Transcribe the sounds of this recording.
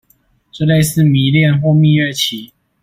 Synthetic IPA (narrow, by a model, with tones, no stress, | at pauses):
ʈ͡ʂə˥˧le˥˧ɪsɹ̩˥˨mi˨˦ljɛ˥˨nxwɔ˥˧mi˥˧ɥɛ˥˨t͡ɕʰi˨˦